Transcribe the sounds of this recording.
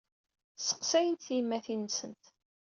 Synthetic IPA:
sə̥qsæjənt̪θimːæθinsənt̪

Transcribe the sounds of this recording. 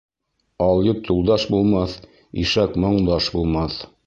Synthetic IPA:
ɑlˠjɤp̚t̪ʰulˠd̪ɑʃbulˠmɑθ | iʃɑkmŏɴd̪ɑʃbulˠmɑθ

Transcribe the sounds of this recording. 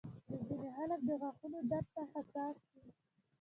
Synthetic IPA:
d̪əzineɦalafd̪əɣaxunoɖap̚t̪ahasɑsd̪i

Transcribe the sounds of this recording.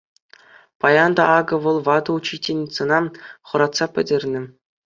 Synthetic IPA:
pɑjɑnd̪ɑʔɑɡɤ̆ʋɤ̆lˠʋɑd̪ɤ̆ut͡ɕitʲenʲt̪sɤ̆nɑχɤ̆ɾɑt̪sɑpʲɘ̆dʲerʲnʲɘ̆

